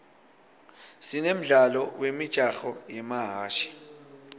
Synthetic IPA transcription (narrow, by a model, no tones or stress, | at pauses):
sinem̩ɮalɔwemid̥ʒ̥ʱʼaxɔjɛmaɦaːʃi̥